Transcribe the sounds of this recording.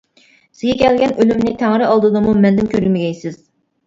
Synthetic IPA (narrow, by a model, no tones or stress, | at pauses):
sɪɡʲɛkʲʰɛlɡʲɛnølymnɪt̪ʰæŋɾɪɑlˠd̪ɨd̪ɨmumɛnd̪ɪmkʲʰøɾɡʲmɪɡʲɛjsɪz̥